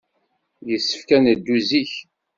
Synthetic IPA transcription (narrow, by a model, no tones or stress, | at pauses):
jəsːə̥fkænəd̪ːuziç